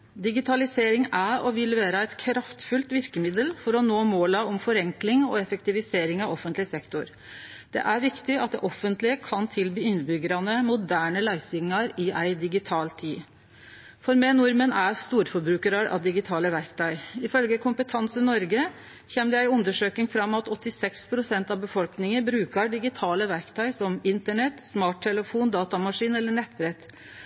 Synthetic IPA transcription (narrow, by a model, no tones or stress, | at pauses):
d̪ɪɡɪt̪ʰɑlɪseːɾɪŋæɾɔʋɪlːʋeːɾəæɪt̪kʰɾɑft̪fʉlt̪ʋɪɾkəmɪd̪əlfɔɾɔnoːmoːlɑɔmfɔɾɛŋklɪŋɔ̰ɛfəkt̪ɪʋɪseːɾɪŋɑʋɔfːənt̪lɪsɛkt̪ʊɾ | d̪̥ɛ̰ʔæɾʋɪkt̪ɪɑt̪̚d̪ɛ̰ʔɔfənt̪lɪəkʰɑnt̪ʰɪlbiːʏnd̪bʏɡəɾɑnəmʊd̪æːɳəlæɪsʏŋːɑɾɪʔæɪd̪ɪɡɪt̪ʰɑːlt̪ʰiː | fɔɾmɛːnʊɾmənæɾst̪uːɾfɔɾbɾʉːkəɾəɾʔɑ̰ʋd̪ɪɡɪt̪ʰɑːləʋæɾkt̪ʰœʏɪfœlɡəkʰʊmpət̪ʰɑnsənɔɾɡə | çɛmd̪æɪʉnd̪əʂøːknɪŋfɾɑmːɑt̪ɔt̪ːɪsɛkspʰɾʊsɛnt̪ɑʋbəfɔlknɪŋənbɾʉːkəɖɪɡɪt̪ʰɑːləʋæɾkt̪ʰœʏsɔmɪnt̪əɳɛt̪smɑːʈ̚ːʰɛləfuːnd̪ɑːt̪ɑmɑʂiːnɛlːəɳɛt̪ːbɾɛt̪